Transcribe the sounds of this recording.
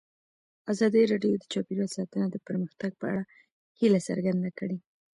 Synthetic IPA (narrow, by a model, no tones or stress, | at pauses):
azɑd̪əɾɑɖjod̪ət͡ʃɑpiɾɑt̪sɑt̪ənad̪əpəɾməxt̪aɡ̚pəa̰ɽa | hilasə̰ɾɡand̪akəɽe